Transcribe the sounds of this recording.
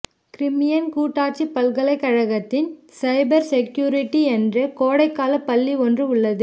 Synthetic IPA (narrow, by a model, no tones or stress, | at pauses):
kɾɪmɪjɐnkuːʈːaːʈt͡ʃipːɐlɣɐɭɐɪkːɐɻɐɣɐt̪ːɪnsɐɪbɐɾsɛkjuːɾɪʈːiɛndrɐkoːɽɐɪkːaːlɐpːɐlːiɔndrɯʊɭːɐðɯ